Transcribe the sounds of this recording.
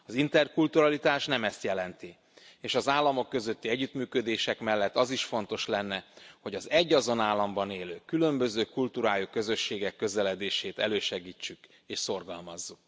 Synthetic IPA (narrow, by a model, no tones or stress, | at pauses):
ɒzint̪ɛrkult̪uɾɒlit̪aːʃnɛmɛst̪jɛlɛnt̪i | eːʃɒzaːlːɒmo̞kːø̞zø̞t̪ːiɛɟːyt̪myːkø̞d̪eːʃɛkmɛlːɛt̪ːɒziʃfo̞nt̪o̞ʃlɛnːɛho̞ɟɒzɛɟːɒzo̞naːlːɒmbɒneːløːkylø̞mbø̞zøːkult̪uɾaːjokø̞zø̞ʃːeːɡɛkːø̞zɛlɛd̪eːʃeːt̪ɛ̰løːʃɛɡiːt͡ʃːyk | eːʃso̞rɡɒlmɒzːuk